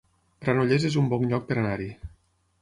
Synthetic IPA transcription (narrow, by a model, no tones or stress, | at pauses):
pɾanoʎezezumbɔŋʎɔk̚peɾanaɾi